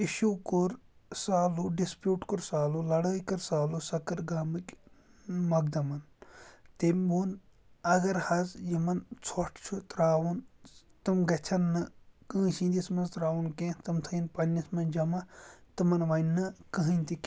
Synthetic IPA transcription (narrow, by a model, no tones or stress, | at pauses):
iʃuːkoɾ | saːluɖispjuːʈkoɾsaːlulɐɽəːjkɐɾsaːlusɐkɐɾɡaːmɨkʲ | mɐɡ̚d̪ɐmɐn | t̪emʲbuːn | ɐɡɐɾhɐzjimɐnt͡sʰoʈʰt͡ʃʰut̪ɾaːʋun | t̪ɨmɡɐt͡ʃʰɐnːɨkə̃ːsĩːnd̪ismɐnzt̪ɾaːʋunkẽt̪ɨmt̪ʰɐinpɐnʲːɐsmɐnd͡ʒɐmɐt̪ɨmɐnʋɐjnːɨkəɦinʲt̪ik